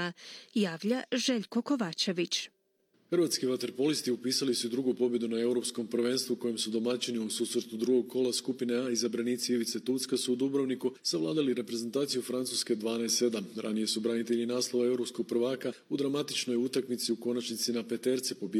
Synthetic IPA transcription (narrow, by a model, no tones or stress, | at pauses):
jaːʋʎaʒe̞ʎko̞ko̞ʋat͡ʃe̞ʋit͡ʃ | xrɾʋat̪skiʋat̪e̞ɾpo̞list̪iupiːsalisud̪ɾuɡupo̞bje̞d̪unae̞uɾo̞psko̞mpr̩ʋe̞ːnst̪vuko̞jemsud̪o̞mat͡ʃiniususvɾt̪ud̪ɾuɡo̞ɡ̚kʰo̞laskupineaizabɾaniːt̪siiʋit̪set̪ut̪skasuːd̪ubɾoʋnikusaʋlˠa̰ːd̪aliɾe̞pɾe̞ze̞nt̪aːt̪sijufɾant̪suske̞d̪ʋaːnaest̪e̞d̪amɾa̰nije̞subɾanit̪eʎinaːslˠo̞ʋae̞wɾo̞psko̞ɡ̚pr̩ʋaːkaud̪ɾamat̪it͡ʃno̞jut̪akmit̪siuko̞nat͡ʃnit̪sinape̞t̪e̞ɾt̪sipo̞b